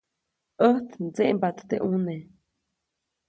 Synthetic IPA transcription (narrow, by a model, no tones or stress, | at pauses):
ʔəht̪nd͡zeʔmbat̪ːeʔune